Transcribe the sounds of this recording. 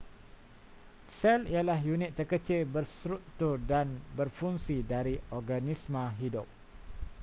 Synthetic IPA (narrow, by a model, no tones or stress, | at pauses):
sɛlialaɦjunɪt̪ːərkət͡ʃɪlbərst̪ɾuk̚t̪ʊrdanbərfuŋsidaɾiɔrɡanismə̃ɦidʊp̚